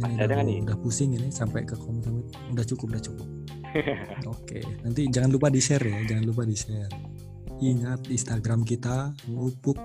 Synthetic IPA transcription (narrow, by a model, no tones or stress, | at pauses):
anuaudahpusɪŋɪnɪsampajkəkʰɔmt̪amit̪ | udaht͡ʃukʊpudaht͡ʃukʊp̚ | okḛnant̪id͡ʒaŋanlupadisɛrjad͡ʒaŋanlup̬adisɛr | iŋat̪̚inst̪aɡɾamk̬it̪aŋupʊk̚